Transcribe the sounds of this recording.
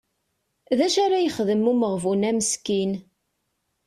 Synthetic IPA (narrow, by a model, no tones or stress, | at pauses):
ðæʃaɾajəχðəmuməʁvunæməskin